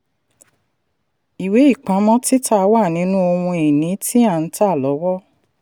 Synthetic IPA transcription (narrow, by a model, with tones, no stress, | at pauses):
i˨we˨˦i˦˨k͡pã˨˦mɔ̃˦ti˦ta˦˧wa˦˨nĩ˨˦nũ˦o˧wũ˧i˨nĩ˨˦tʰi˦ã˦˧n̩˨˦ta˦˨lɔ˨˦wɔ˦